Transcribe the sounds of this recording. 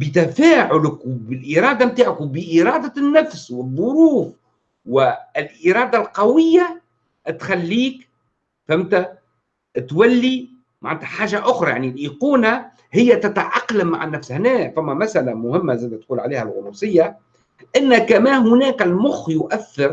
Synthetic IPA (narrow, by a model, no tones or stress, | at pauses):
bət̪æfaːʕʊlɪkwbɪlʔiɾˤɑːd̪amt̪aːʕakwbəʔiɾˤɑːd̪anːæfswəðˤːʊɾuːf | wɪɪlʔiɾˤɑːd̪alqɑwɪjːa | t̪xælːiːk | fɪmt̪æ | t̪wælːi | maʕnːt̪ʰaħaːʒaʔʊxɾˤɑjaʕnilʔiquːna | hɪjːæt̪at̪ʕɑqːlamːa̰ʕɪnːæfshnɛːfæmːæmæsʔalamʊhɪmːazæːd̪æt̪quːlʕaleːhælɣʊnusˤɨjːa | ʔɪnːækæmæːhʊnæːkɪlmʊxjʊʔæθːɑɾ